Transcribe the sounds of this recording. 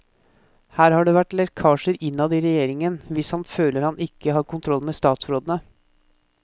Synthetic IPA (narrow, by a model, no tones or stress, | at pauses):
hæːɾhɑːɖeːʋæʈlɛɾkʰɑːʂəɾɪnːɑd̪iːɾɛjeːɾɪŋənʋɪshɑnføːləɾhɑnɪkːəhɑːɾkʰʊnt̪ʰɾɔlːmeːst̪ɑːt̪sɾoːd̪ənə